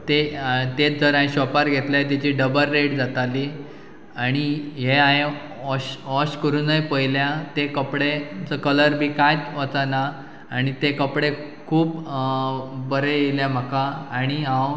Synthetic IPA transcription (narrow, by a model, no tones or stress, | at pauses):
t̪et̪et͡sd͡zəɾãj̃ɕɔpaɾɡʱet̪lat̪at͡ɕiːɖəbəlːeɽd͡zat̪aliː | aɽ̃iɦeaɦe | ɔɕɔɕkəɾuːnːajpəiljat̪ekəpɽet͡səkələɾbʱiːkajt̪ʋət͡sana | aɽ̃it̪ekəpɽe | kʰuːp | bəɾejeljam̤əkaaɽ̃iãw